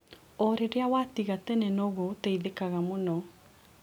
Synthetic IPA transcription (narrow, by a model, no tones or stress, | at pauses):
ɔɾeɾeawatiɣatɛnenɔɣoteiðekaɣamonɔ